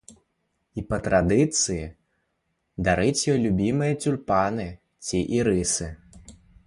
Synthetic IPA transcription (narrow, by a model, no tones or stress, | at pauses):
ipɐt̪ɾad̪ɨt̪sɨji | d̪aɾɨt͡sʲjɔlʲubʲimɨjɐt͡sʲurpanɨ | t͡sʲiʔiɾɨsɨ